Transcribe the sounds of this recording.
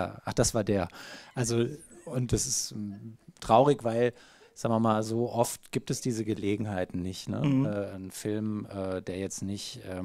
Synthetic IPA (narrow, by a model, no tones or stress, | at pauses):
a̰ʔaχd̥asv̥aːɐdeːɐʔalzoʊntdɛsɪst | tʁ̥aʊʁɪçv̥aɪl | z̥aːɡŋvɪɐmaːlzoːʔɔftɡ̥iːp̚tɛsd̥iːzəɡəleːɡŋ̩ɦaɪtn̩nɪçtnə̰ɛːnfɪlmʔɛːd̥eːɐjɛt͡stnɪçʔɛː